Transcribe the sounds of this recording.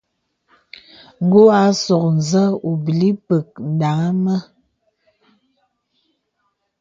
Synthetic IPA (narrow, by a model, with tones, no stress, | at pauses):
ŋ˨ɡo˦a˨˦sɔ˨k̚n̩˨zə˦u˨bi˨li˦pə˨k̚n̩˨da˨˦ŋa˦mə˦